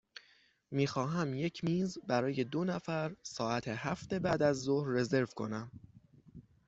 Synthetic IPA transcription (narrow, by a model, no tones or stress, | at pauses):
miːxɒːɦæmje̞cʰmiːzbæɾɒːje̞d̪o̞næfæɾsɒːæt̪ʰehæft̪e̞bæːd̪æzːohɾːe̞ze̞ɾvkʰo̞̰næm